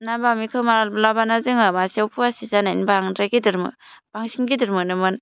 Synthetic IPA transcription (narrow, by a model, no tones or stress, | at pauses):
nabamikʰɯwmaɾalblabanazɯŋɯmasiawpʰuasizanaḭnbaŋdɾaɡidɯɾmɯ̰ | b̥aŋsinɡidɯɾmɯnɯmɯn